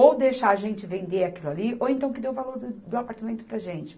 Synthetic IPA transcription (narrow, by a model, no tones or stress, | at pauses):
owd̪ejʃaaʒẽnt͡ʃɪvẽnd̪eakilʊaliowẽnt̪ɐ̃w̃kɪd̪ewvaloɾd̪ʊd̪ʊapaɾt̪amẽnt̪ʊ̥pɾɐaʒẽnt͡ʃɪ̥